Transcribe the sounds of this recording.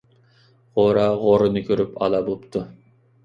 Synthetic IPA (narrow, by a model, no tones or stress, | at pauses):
ʁoɾɑʁoɾɨnɨkʲʰøɾypʰɑ̰lˠɑbopt̪ʰu